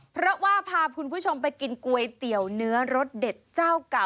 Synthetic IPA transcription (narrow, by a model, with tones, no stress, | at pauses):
pʰɾɔ˦˥waː˥˩pʰaː˧kʰu˧npʰuː˥˩t͡ɕʰo˧mpa˧jki˧nku˧əjt̪i˨˩əwnɯ˦˥ɐɾo˦˥t̪̚de˨˩t̪̚t͡ɕaː˥˩wka˨˩